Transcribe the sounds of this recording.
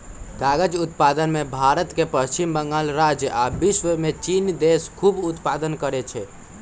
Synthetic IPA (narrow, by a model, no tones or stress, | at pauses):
ɡaɡəd͡ʒut̪pad̪ənmebʱaɾət̪kepəst͡ʃimbəŋɡalɾad͡ʒjabiʃwəmet͡ʃind̪eskʰubut̪pad̪ənkəɾɛt͡ʃʰɛ